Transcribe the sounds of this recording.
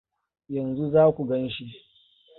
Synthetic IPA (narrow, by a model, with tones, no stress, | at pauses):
jɐ˨nzu˦zaː˦kʷu˨ɡɐ˦nʃi˦ʔ